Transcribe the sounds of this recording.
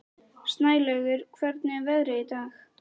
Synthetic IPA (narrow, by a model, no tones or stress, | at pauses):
st̪naːjlœːɥɣʏɾ̥kʰvɛɾt̪nɪɛvɛðɾɪit̪aːx